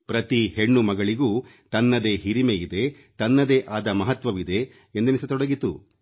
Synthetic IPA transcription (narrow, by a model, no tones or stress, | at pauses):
pɾɐt̪iheɳːumɐɡɐɭiɡuː | t̪ɐnːɐd̪e̞ːɦiɾimeid̪e̞ | t̪ɐnːɐd̪eːʔaːd̪ɐmɐɦɐt̪ʋɐʋid̪e̞ː | nd̪ɐnisɐt̪ɔɽɐɡit̪ṵ